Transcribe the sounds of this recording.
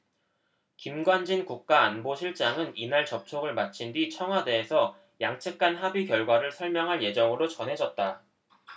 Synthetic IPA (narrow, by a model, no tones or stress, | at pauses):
kimɡwand͡ʑinkuk̚k͈aːnboɕʰiɭt͡ɕ͈aŋɯninaɭt͡ɕʌp̚t͡ɕʰoɡɯɭmat͡ɕʰindit͡ɕʰʌŋɦwade̞ːsʰʌ | jaŋt͡ɕʰɯk̚k͈anɦabikjʌɭɡwaɾɯɭsʰʌɭmjʌŋɦaɭje̞d͡ʑʌŋɯɾot͡ɕʌnɦe̞d͡ʑʌt̚t͈a